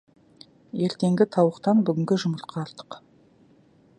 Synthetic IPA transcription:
je̞ɾt̪e̞ŋɡʲɪt̪ʰɑwəqt̪ɑnbʏɡʲɪŋɡʲɪʒʊməɾt̪̚qʰɑːɾt̪ə̥q

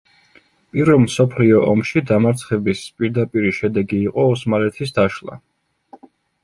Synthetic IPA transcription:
pʼiɾvɛlˠmsɔpʰliɔʔɔmʃid̪amaɾt̪sʰχɛbispʼiɾd̪apʼiɾiʃɛd̪ɛɡiːqʼɔɔsmalɛt̪ʰis̬d̪aʃlˠa̰

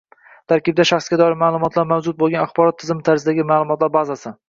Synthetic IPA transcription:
t̪ʰaɾkʲɪb̚d̪aʃaχsɡʲad̪ɒɾɪɾmaːlˠʊmɒt̪ʰlaɾmawd͡ʒʊt̪̚bolˠɡʲanaχbɒɾɒt̪ʰːɪzɪmɪt̪ʰaɾzɪd̪aɡʲɪmaːlˠʊmɒt̪laɾbazasɪ

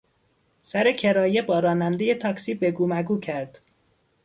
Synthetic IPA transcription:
sæɾe̞cʰe̞ɾɒːje̞bɒːɾɒːnænd̪e̞je̞t̪ʰɒːksiːbe̞ɡuːmæɡuːcʰæɾd̪̥

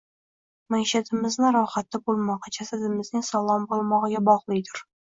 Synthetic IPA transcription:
maŋʲʃad̪ɪmɪznɪɾɑwχat̪ːabolˠmɑʁɑd͡ʒasad̪ɪmɪznɪŋʲsɑlˠɒmbolˠmɑʁɨɡʲabɒʁlˠɨjd̪ɪɾ

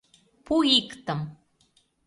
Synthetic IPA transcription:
puikt̪əm

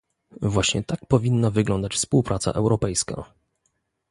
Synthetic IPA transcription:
vwaɕɲɛ̰t̪ak̚pɔvʲinːavɘɡlɔnd̪at͡ɕfspuwpɾʔat̪sa̰ʔɛwɾɔpɛjska̰

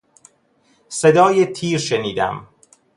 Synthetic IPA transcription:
se̞d̪ɒːjet̪ʰiːɾʃeniːd̪æ̰m

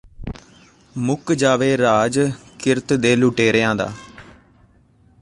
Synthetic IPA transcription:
mʊkd͡ʒaːʋeːɾaːd͡ʒkɪɾt̪d̪eːlʊʈeːɾəãːd̪a̰ː

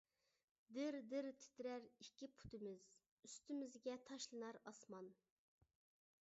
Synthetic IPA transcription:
d̪ɪɾd̪ɪɾt̪ʰɪ̥t̪ɾæɾikʲːipʰu̥t̪ɪmɪz̥ | yst̪ɪmɪzɡʲɛt̪ʰɑʃlˠɨnɑɾɑsmɑn

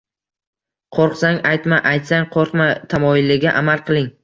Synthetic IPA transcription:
qʰoɾqsaŋajt̪maʔajt̪saŋqʰoɾqmat̪ʰamɒɪlːɪɡʲaʔamalˠqʰɨlˠɪŋ

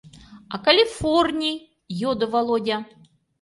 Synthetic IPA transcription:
ɐkɐlʲifornʲi | jod̪ɨvɐlˠodʲa

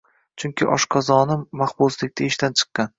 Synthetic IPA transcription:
t͡ʃʰʊŋkʲʰɪʔɒ̰ʃqʰɒzɒnɪmaχbʊslɪk̚ʲt̪aeʃt̪ant͡ʃʰɨ̥qːɑn

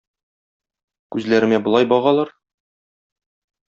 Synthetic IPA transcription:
kʉzlæɾɘ̆mæbŏlˠɑjbɒʁɑlˠɑɾ

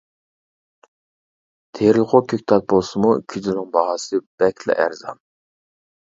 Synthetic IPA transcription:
t̪ʰeɾlqʰokʲʰøk̚ʲt̪ʰɑt̪̚bolˠsɨmukʲʰyzɪnɪŋbɑʁɑsɨb̥ɛkʲʰlɪ̰ʔæɾzɑ̰n

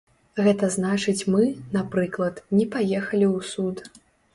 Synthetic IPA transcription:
ɣɛt̪ɐznat͡ʂɨt͡sʲmɨnapɾɨklˠɐt̪nʲɛpajɛxɐlʲiwsut̪

